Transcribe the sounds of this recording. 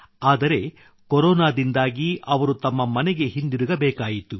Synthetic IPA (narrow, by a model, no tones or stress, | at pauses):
aːd̪ɐɾe̞ | koɾoːnaːd̪ind̪aːɡiʔɐʋɐɾut̪ɐmːɐmɐnɛɡe̞ɦind̪iɾuɡɐbɛːkaːjit̪u